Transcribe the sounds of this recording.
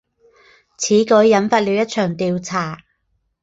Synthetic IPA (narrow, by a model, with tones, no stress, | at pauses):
t͡sʰiː˨˥kɵ˨˥jːɐ˨˥nfaː˧t̚liː˨˧wjɐ˥t̚t͡ʃʰœː˨˩ŋt̪iː˨˧wt͡sʰaː˨˩